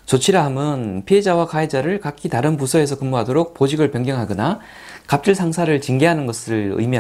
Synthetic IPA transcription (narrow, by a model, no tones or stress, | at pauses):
t͡ɕot͡ɕʰiɾaɦamjʌnpʰie̞d͡ʑawakaed͡ʑaɾɯɭkakʰitaɾɯnpusʰʌe̞sʰʌkɯmboɦadoɾok̚pod͡ʑiɡɯɭpjʌŋɡjʌŋɦaɡʌna | kap̚t͡ɕ͈ɯɭsʰaŋsʰaɾɯɭt͡ɕiŋɡeɦanɯnɡʌsʰɯɭɯ̰jmi